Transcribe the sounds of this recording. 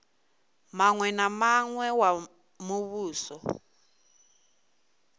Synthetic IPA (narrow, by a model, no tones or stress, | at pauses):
maŋwɛnamaŋwɛwa | muβuːsɔ